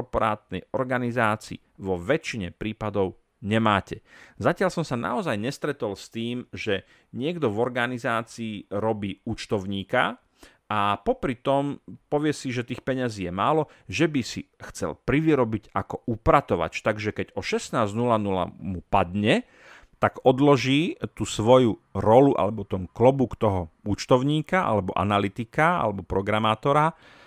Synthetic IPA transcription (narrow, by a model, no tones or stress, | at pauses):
kɔɾpɔɾa̰ːt̪nɛ̰jɔɾɡanizaːt͡siː | ʋɔʋɛt͡ʃiɲɛpɾiːpad̪ɔʊ | ɲɛmaːcɛzacɪalsɔmsana̰ɔzajɲɛst̪ɾɛt̪ɔlst̪iːmʒɛ | ɲɪɛɡd̪ɔvɔɾɡanizaːt͡siːɾɔbiːut͡ʃt̪ɔʊɲiːka | apɔpɾit̪ɔmpɔʋɪɛsiʒɛt̪iːxpɛɲaziːjɛmaːlɔ | ʒɛbisixt͡sɛ̰lpɾiʋiɾɔbiɟakɔupɾat̪ɔʋa̰t͡ʃt̪aɡʒɛkɛɟɔʃɛsnaːznulanula̰mupad̪ɲɛ | t̪aɡɔd̪lɔʒiːt̪usʋɔjuɾɔluʔa̰lɛbɔt̪ɔmklɔbukt̪ɔɦɔut͡ʃt̪ɔʊɲiːkaʔa̰lɛbɔʔa̰nalit̪ikaa̰lɛbɔpɾɔɡɾamaːt̪ɔɾa